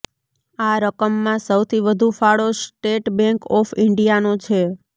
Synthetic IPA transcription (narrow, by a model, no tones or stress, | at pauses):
aɾəkəmːãsəwt̪ʰiʋəd̪ʱũfaɭosʈeʈbɛ̃ŋkɔfɪɳɖijanot͡ʃʰe